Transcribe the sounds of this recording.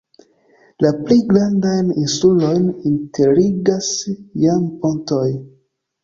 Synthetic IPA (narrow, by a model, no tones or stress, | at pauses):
laplijɡɾandajninsulo̞jnintʰeɾiɡasjampo̞nto̞j